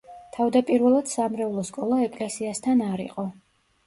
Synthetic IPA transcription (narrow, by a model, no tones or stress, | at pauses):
t̪ʰavd̪apʼiɾvɛlˠad̪̥samɾɛvlˠɔskʼɔlˠaɛkʼlɛsiast̪ʰanaɾḭqʼɔ